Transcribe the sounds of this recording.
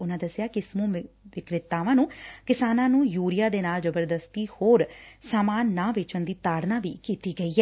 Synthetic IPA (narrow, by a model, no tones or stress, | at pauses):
ʊnãːd̪əsːɪjaːkɪsmũːʋɪkɾɪt̪ːaːʋãːnũːkɪsaːnãːnũːjuːɾɪjaːd̪eːnaːld͡ʒəbəɾd̪əst̪iːhoːɾsaːmaːnːãːʋɪt͡ʃənd̪iːt̪aːɽnaːʋḭːkiːt̪iːɡəiːɦɛː